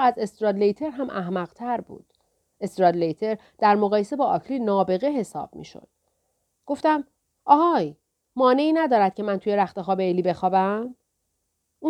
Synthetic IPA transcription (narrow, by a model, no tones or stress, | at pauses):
æze̞st̪ɾɒd̪lejt̪ʰe̞ɾɦæmʔæɦmæɣt̪ʰæɾbṵːd̪̥ | e̞st̪ɾɒːd̪lejt̪ʰe̞ɾ | d̪̥æɾmoɣɒːje̞sebɒːʔɒːkʰlinɒːbe̞ɣeɦe̞sɒ̰ːb̥̚mḭːʃo̰d̪̥ | ɡ̥o̞ft̪æm | ʔɒːɣɒj | mɒːne̞iːnæd̪ɒːɾæd̪̥̚cʰe̞mænt̪ʰuje̞ɾæxt̪exɒːbeeliːbe̞xɒːbæm | u